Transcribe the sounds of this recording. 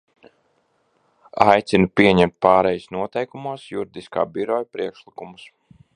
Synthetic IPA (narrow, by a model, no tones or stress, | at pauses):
ajt̪sinupiɛɲɛmt̪̚pɑːɾɛjusnuɔt̪ɛjkumuɔsjuɾid̪iska̰ːbiɾɔjpɾiɛkʃlˠikumus